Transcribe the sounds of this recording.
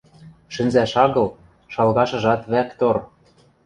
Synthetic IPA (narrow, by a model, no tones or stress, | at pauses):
ʃɘ̆nzæʃɑɣɤ̆l | ʃɑlɣɑʃɤ̆ʒɑt̪βækt̪or